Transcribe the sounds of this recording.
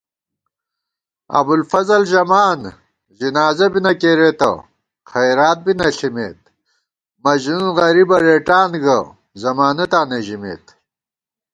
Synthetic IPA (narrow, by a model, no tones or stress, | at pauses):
ɐ̰bulfɐzɐlʑɐmaːn | ʑinaːzɐbinɐkeːɾet̪ɐ̰ | xɐjɾaːt̪̚binɐɬimḛːt̪̚ | mɐʑnuunɣɐɾibɐɾeːʈaːnɡɐ | zɐmaːnɐt̪aːneʑimḛːt̪